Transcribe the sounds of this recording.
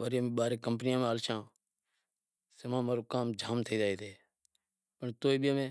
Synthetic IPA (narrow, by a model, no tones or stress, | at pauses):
ʋəːɾjːmẽːɓaːɾeːkəmpənɪjãːmẽaːlʃãː | semãːmaːɾoːkaːmd͡ʒʱaːmt̪ʰəiːd͡ʒaːeːt̪ʰeː | pəɳt̪oːiːɓjaːmẽː